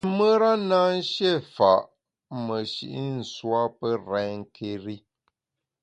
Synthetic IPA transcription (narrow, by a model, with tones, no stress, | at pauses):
mə˦ɾa˦naː˦n̩˦ʃe˦˨fa˨ʔ | mə˨ʃḭ˨ʔi˦n̩˨swa˦pə˦ɾɛ̃˨˦ŋ˦kʰe˦ɾi˦